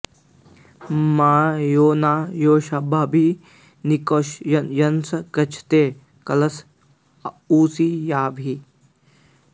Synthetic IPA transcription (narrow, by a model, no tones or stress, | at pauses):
maːjoːnaːjoːʃɐbabʱi | nikoʃjjɐnsɐkɐt͡ʃʰt̪eː | kɐlɐs | uːsiːjaːbʱiː